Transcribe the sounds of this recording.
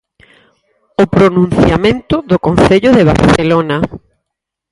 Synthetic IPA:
opɾonũn̟θjamẽnt̪ʊðokonθeʎʊðeβ̞a̰ɾθelona

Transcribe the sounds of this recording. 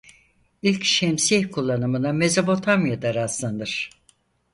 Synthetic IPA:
ilʲcʃɛmsihkʰulˠːanɯmɯname̞zopo̞t̪ʰamjad̪aɾaslˠand̪ɯɾ̥

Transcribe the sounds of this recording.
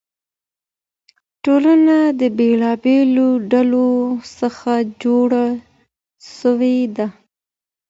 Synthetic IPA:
ʈolanad̪əbelɑbeloɖalosəxad͡ʒoɽa | ʃəwed̪a

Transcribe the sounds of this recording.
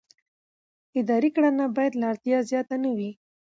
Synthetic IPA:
ɪd̪ɑɾikɽanabɑjad̪lɑɾt̪jɑzjɑt̪anawi

